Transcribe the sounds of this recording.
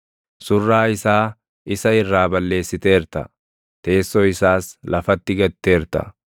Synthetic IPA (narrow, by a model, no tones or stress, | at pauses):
sʊrːaːɪsaː | ɪsɐɪrːaːbɐlːe̞ːsːɪt̪e̞ːɾt̪ɐ̰ | t̪e̞ːsːɔɪsaːslɐfɐt̪ːɪɡɐt̪ːeːɾt̪ɐ̰